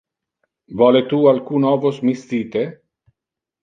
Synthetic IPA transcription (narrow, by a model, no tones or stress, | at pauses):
vɔlet̪ualkunɔvosmist̪iːt̪e